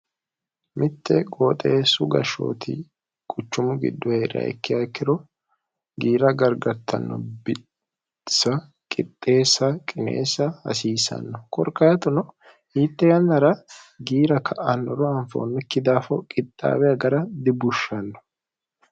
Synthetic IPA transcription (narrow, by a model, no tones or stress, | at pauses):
mʔɪt̪ːɛɡoːt̪ʼeːsʊɡɐʃo̰ːt̪ɪ̰ | kʼʊt͡ʃːʊmʊɡɪ̰d̪ːʊhɛɾɐ̰ɛ̰kːɪɐkːɪɾɔ | ɡiːɾɐɡɐɾɡɐɾt̪ʰːɐ̰nːɔ̰bɪ | sɐ | kʼɪt̪ʼːe̞ːsɐkʼɪnḛːsɐɐsiːsɐ̰nːɔkɔɾkːaːt̪ʊnɔ | hiːt̪ːɛjɐnːɐɾɐɡiːɾɐkʰɐʔɐnːɔɾɔɐɱfo̰ːnːɛkːɪd̪aːfɔkʼɪt̪ʼːa̰ːwɛɐɡɐɾɐd̪ɪbʊʃːɐnːɔ̥